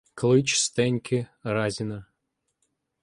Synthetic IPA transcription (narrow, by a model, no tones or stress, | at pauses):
klˠɪt͡ʃst̪ɛnʲkʲɪɾɑzʲɪnɐ